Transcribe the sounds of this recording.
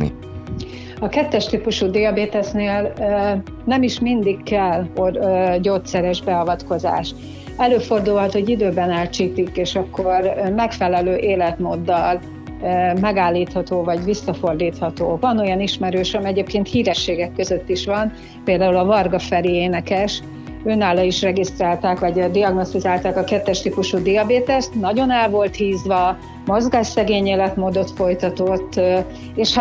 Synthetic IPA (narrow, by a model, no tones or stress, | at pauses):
ḭ | ɒkɛt̪ːɛʃt̪ipuʃuːd̪iɒbeːt̪ɛsneːl | nɛmiʃmind̪ikːɛlorɟoːt̪sɛɾɛʒbɛɒvɒt̪ko̞za̰ːʃ | ɛløːfo̞rd̪ulɦɒt̪hoɟid̪øːbɛnaːlt͡ʃiːt̪ikeːʃɒkːo̞rmɛkfɛlɛløːʔeːlɛt̪moːd̪ːɒl | mɛɡaːlːiːt̪hɒt̪oːvɒɟvisːɒfo̞rd̪iːt̪hɒt̪oːvɒno̞jɒniʃmɛɾøːʃɒmiɛɟeːpkeːnt̪hiːɾɛʃːeːɡɛkːøzø̞t̪ːiʃʋɒn | peːld̪aːulɒvɒrɡɒfɛɾieːnɛkɛʃ | øːnaːlɒiʃrɛɡist̪raːlt̪aːkvɒɟd̪iɒɡno̞st̪izaːlt̪aːkɒkɛt̪ːɛʃt̪ikuʃuːd̪iɒbeːt̪ɛst̪nɒɟo̞nɛlvo̞lt̪hiːzʋɒ | mo̞zɡaːʃsɛɡeːɲeːlɛt̪moːd̪o̞t̪fo̞jt̪ɒt̪o̞t̪ː | eːʃh